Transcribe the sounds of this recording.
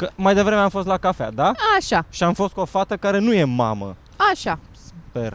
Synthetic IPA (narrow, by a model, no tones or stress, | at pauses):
kəmajd̪e̞vɾe̞meamfost̪lakafea̰d̪aaʃaʃiamfo̞st̪̚kuofat̪əkaɾe̞nuje̞ma̰mə̰ | aʃa | super